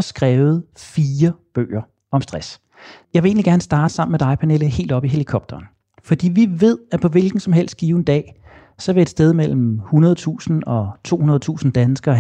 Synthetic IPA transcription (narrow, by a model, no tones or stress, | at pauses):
sɡ̥ʁɛːʊð̩ˠfiːɐb̥ø̰ːɐ | ɒ̽msd̥ʁas | jɑ̈ɪʋee̝̰ːnliɡ̥æɐnəsd̥ɑ̈ːd̥əsɑ̈m̰n̩med̥ɑ̈ɪpʰæne̝ːləhe̝̰ːld̥ɒ̽b̥iɦe̝likʰɒ̽b̥̚d̥ɐːn | fɒ̽d̥ḭːʋiʋe̝ð̞̰ˠæpʰɒ̽ʋe̝lɡ̥n̩sɒ̽mɦel̰sd̥̚ɡ̥iːʊn̩d̥ɛ̰ː | sɒ̽ʋe̝ed̥sd̥eð̞ˠmel̰m̩hunɐðˠt͡sʰṵːsn̩ɒ̽t͡sʰo̝̰ːhunɐð̞̩ˠt͡sʰṵːsn̩d̥ænsɡ̥ɐː